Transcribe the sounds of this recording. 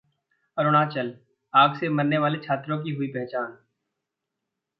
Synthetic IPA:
ɐɾʊɽ̃at͡ʃɐl | aːɡsemɐɾneʋaːlet͡ʃʰaːt̪ɾõk̬iɦʊipɛɦt͡ʃaːn

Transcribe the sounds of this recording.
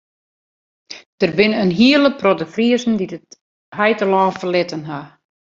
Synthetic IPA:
d̥ərbɪnənɦiələprodəfriəzn̩didət | ɦɛjtəlɔːfəlɪtənɦa

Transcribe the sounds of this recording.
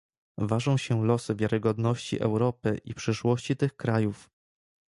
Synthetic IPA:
vaʐɔ̃w̃ɕɛlɔsɘvʲjaɾɘɡɔd̪nɔɕt͡ɕḭʔɛ̰wɾɔpɘʔipʂɘʂwɔɕt͡ɕit̪ɘxkɾajuf

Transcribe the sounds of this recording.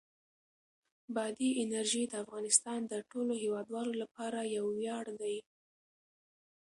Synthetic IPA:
bɑd̪iʔɪnaɾʒid̪əafɣɑnɪst̪ɑnd̪əʈoloɦewɑd̪wɑlolapɑɾajawːjɑɽd̪aj

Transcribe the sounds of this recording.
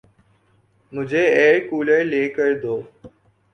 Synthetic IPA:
mʊd͡ʒʱeːeːkuːleleːkəɾeːd̪oː

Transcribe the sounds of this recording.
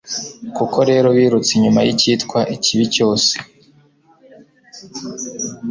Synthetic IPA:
kuko̞ɾe̞ːɾo̞βiːɾut͡siɲumajiciːtkwaʔiciβico̞ːse̥

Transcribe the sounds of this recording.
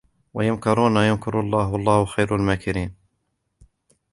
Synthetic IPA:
wajʊmkɪɾˤuːnajʊmkɪɾɑlˤːɑːɦʊʔɑlˤːɑːhʊxajɾalmaːkɪɾiːn

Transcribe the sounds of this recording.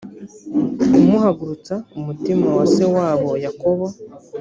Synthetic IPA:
umuhaɡuɾut͡saumutimawase̞waːβo̞jako̞βo

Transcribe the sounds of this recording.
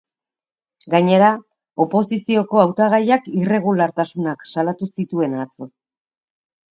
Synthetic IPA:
ɡaɲe̞ɾa | o̞po̞sisio̞ko̞awt̪aɣ̞ajakire̞ɣulaɾt̪asunaksalat̪usit̪ue̞nat͡so

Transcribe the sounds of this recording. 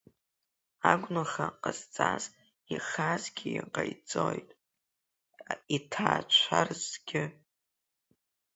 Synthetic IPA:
aɡʷnaχaqʼazt͡sʼaz | iχazɡʲɪjaqʼajt͡sʼojtʼ | itʰaːt͡ʃʷʰarzɡʲɪ

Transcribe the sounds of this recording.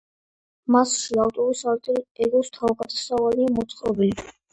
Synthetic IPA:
masʃavt̪ʼɔɾisaɾt̪ʼɛɾɛɡɔst̪ʰavɡʼat̪ʰʼasavaliamɔt̪sʼqʼɾɔbili

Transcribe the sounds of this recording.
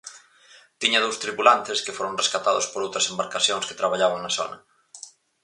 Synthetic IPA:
t̪iɲɐðowst̪ɾipulant̪ɪskɪfoɾõŋreskat̪aðʊspoɾowt̪ɾɐsembaɾkaθjoŋske̥t̪ɾaβaʎaβaŋnɐso̰nɐ

